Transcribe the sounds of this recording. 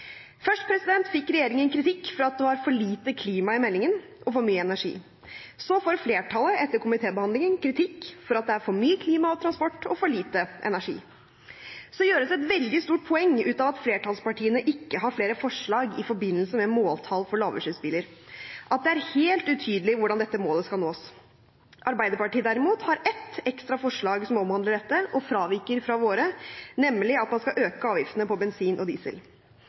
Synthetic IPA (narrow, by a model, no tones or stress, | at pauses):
fœʂʈpʰɾɛsɪd̪ɛnt̪fɪkːɾɛjeːɾɪŋənkʰɾɪt̪ʰɪkːfɔɾɑt̪̚d̪ʉhɑɾfɔɭiːt̪əkʰliːmɑɪmɛlːɪŋən | ʔɔfɔɾmyːəɛnæʂḭː | sɔfoːɾfleːʈʰɑləɛt̪ːəɾkʰʊmɪt̪ʰeːbəhɑnd̪ɪŋənkʰɾɪt̪ʰɪkːfɔɾɑt̪̚d̪ɛæɾfɔɾmyːəkʰliːmɑɔt̪ʰɾɑnspɔʈːɔfɔɭiːt̪əʔɛ̰næʂḭː | sɔjøːɾəsɛt̪ʋɛld̪ɪst̪uːʈ̚pʰɔɛŋːʉːt̪ɑːʋɑt̪fleːʈɑlspɑʈʰiːənəʔɪkːəɦɑɾfleːɾəfɔʂɭɑːɡɪfɔɾbɪnːəlsəmɛmoːlt̪ʰɑlfɔɭɑːʋəʂʉːsbɪləɾʔɑt̪̚d̪ɛæɾheːlt̪ʉt̪ʰyːd̪əlɪʋʊɖɑnd̪ɛt̪ːəmoːləskɑlnoːs | ʔɑɾbæɪd̪əɾpɑʈiːəd̪æɾɪmuːt̪hɑɾɛt̪ɛkst̪ɾɑfɔʂɭɑːɡsɔmɔmhɑnd̪ləɖɛt̪ːəʔɔfɾɑːʋiɾkəɾfɾɑʋoːɾənɛmːlɪɑt̪mɑnskɑʔøːkəɑːʋjɪft̪ənəpʰɔbɛnsiːnʔɔd̪ḭːsə̰l